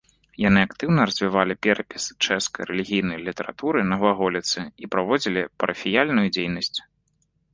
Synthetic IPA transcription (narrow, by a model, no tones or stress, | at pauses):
janɨakt̪ɨwnɐɾɐzʲvʲivalʲipʲɛɾɐpʲist͡ʂɛskɐjɾɛlʲiɣʲijnɐjlʲit̪ɐɾa̰t̪uɾɨnɐvaɣɔlʲit̪sɨipɾavɔd͡zʲilʲipɐɾʔɐfʲijalʲnujud͡zʲejnɐsʲt͡sʲ